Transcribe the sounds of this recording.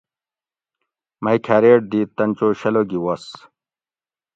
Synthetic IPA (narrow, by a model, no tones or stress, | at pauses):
mɐjkʰaːɾeːʈ̚d̪it̪ɐnt͡ɕoːɕɐloɡiwɐs